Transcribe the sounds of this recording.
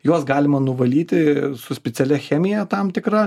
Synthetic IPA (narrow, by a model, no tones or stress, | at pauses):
juɔsɡɑːlʲɪmɐnʊʋɐlʲiːt̪ʲɪsʊsʲpʲɛt̪sʲɛlʲɛxʲæːmʲɪjɛt̪ɐmt̪ʲɪkɾɐ